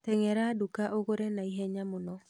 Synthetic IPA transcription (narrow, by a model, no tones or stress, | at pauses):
tɛŋɛɾadukaʔoɣoɾɛnaiɦɛɲamonɔ